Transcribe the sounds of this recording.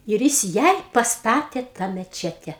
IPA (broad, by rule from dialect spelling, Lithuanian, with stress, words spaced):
ɪr ˈjɪs ˈjɛɪ pɐsˈtɑːtʲeː tɑː mʲɛˈt͡ʃʲæːtʲɛ